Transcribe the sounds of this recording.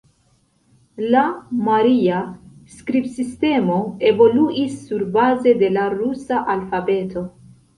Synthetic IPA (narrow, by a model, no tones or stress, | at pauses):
lamaɾiaskɾibsiste̞mo̞e̞vo̞luʔisːuɾbaze̞de̞laɾusaʔalfabe̞tʰo̞